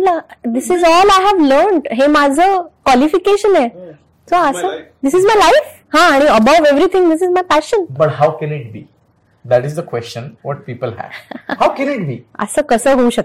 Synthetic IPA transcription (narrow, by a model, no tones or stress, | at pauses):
lad̪ɪsizɔːlaɪɦæʋləɾɳʈɦemad͡zʱəkwɔlifikeʃəne | soəsəd̪ɪsizmajlaɪf | hãːɽ̃iəbaʋeʋɾit̪ʰĩŋd̪ɪsizmajpæʃənbɐʈɦawkɛ̃nɪʈ̚bḭː | d̪æʈɪzd̪əkwɛst͡ʃə̃nʋɔʈ̚piːpəlɦæ̰hawkɛ̃nɪʈ̚biːə̰səkəsəːɦouɕək̚